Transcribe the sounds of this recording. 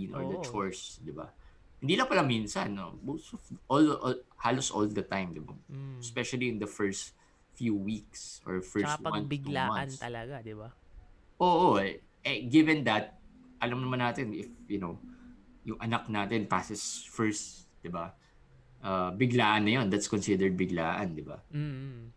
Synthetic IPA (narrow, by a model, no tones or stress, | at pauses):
inʔɔ̰ɹd̪ɐt͡ʃɔɹsd̪ɪba̰ | hɪnd̪iːlɐŋpɐlaminsɐnːo̰mowst̪ɔvʔolʔhaloso̰ld̪ɐt̪ãjmd̪ɪba̰spɛʃɐliɪ̃nd̪ɐfɛɹst̪ | fjuwiksʔɔ̰ɹfɛɹst̪̚wɐ̃namɐnslɐɡad̪ɪa | ʔoːʔo | ʔɛɡɪvɛnd̪ɐt̪̚ʔɐlɐmnɐmɐnːaːt̪ɛnɪfjʊnow | jʊŋʔɐnɐk̚naːt̪ɛnpaːsɪsfɛɹst̪d̪̥ɪba | ʔɐbɪɡlaːʔɐnːɐjond̪ɐt̪skonsɪd̪əɹd̪̚bɪɡlaːʔɐnd̪ɪba̰